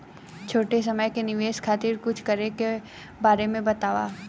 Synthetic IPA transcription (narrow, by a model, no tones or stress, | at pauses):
t͡ʃʰoːʈes̬ɐməjkenɪʋeːʃkʰaːt̪iːɾkʊt͡ʃʰkɐɾeke | baːɾemẽbɐt̪aːʋa̰ː